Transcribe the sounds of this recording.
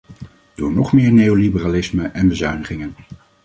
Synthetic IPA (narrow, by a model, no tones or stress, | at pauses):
d̥ʊːɹnɔχmɪːɹnejolibəraːlɪsməʔɛnbəzœɥnəχɪŋən